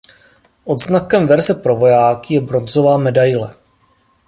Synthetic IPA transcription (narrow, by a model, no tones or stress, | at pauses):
ʔo̞d̪znakɛmvɛɾzɛpɾovo̞jaːkɪjɛbɾo̞nzovaːmɛdajlɛ